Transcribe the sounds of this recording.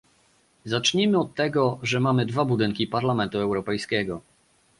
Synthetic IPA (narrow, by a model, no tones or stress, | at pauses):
zat͡ʂɲimɘɔt̪ːɛɡɔʐɛmamɘd̪vabud̪ɘŋkʲipaɾlamɛnt̪uɛwɾɔpɛjskʲɛɡɔ